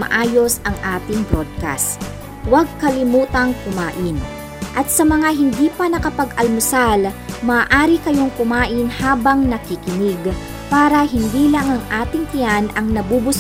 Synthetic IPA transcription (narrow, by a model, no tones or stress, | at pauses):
mɐ̰ʔaːjo̞sɐŋʔaːt̪ɪŋbɾod̪̚ka̰st̪ | wɐɡ̚kɐlɪmuːt̪ɐŋkʊmaːʔɪn | ʔɐt̪̚sɐmɐŋaɦɪnd̪iːpɐnɐkɐpɐɡʔɐlmʊsalmɐːʔaːɾikɐjo̞ŋkʊmaːʔɪnhaːbɐŋnɐkɪkɪnɪɡ | paːɾɐɦɪnd̪iːlɐŋɐŋʔaːt̪ɪŋp̪ɪanʔɐŋnɐbubʊs